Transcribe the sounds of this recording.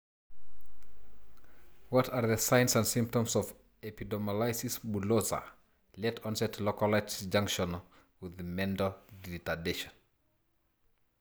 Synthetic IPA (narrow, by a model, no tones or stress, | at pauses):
wɔtʰaɹðəsãɪ̃nsãnsĩmp̚tɔ̃msɔv | ɛpidɔmalajsisbulosa̰ | lɛtʰɔ̃nsɛtʰlɔkɔlatsd͡ʒãŋkʃɔ̃n | wɪðmɛ̃ndɔditadeʃɔ̃n